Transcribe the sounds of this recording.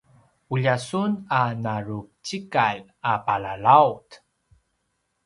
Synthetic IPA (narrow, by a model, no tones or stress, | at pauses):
uʎasunanaɾup̚t͡ɕikal | apalalawt